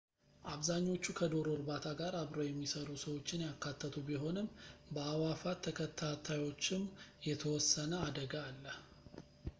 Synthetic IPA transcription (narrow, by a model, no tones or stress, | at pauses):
ʔaβzaɲːo̞t͡ʃːukʰəd̪o̞ɾo̞ɾbat̪ʰaɡaɾaβɾo̞jɛmːisəɾusəwo̞t͡ʃːɪnjakːat̪ʰːət̪ʰubiɦo̞nɨmbəawafat̪ʰːəkʰət̪ʰːat̪ʰajo̞t͡ʃːɪmjɛt̪ʰəwɔsːənəad̪əɡaːlːəh